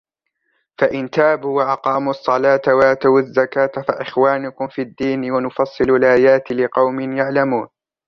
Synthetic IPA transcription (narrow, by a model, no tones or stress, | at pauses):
faʔɪnt̪aːbuːwaʔɑqɑːmuɑsˤːɑlɑːt̪awat̪awazːakaːt̪faʔɪxwaːnʊkʊmfiːad̪ːiːnɪwanʊfɑsˤːɨlalʔaːjaːt̪lɪqɑwmɪnjaʕlamuːn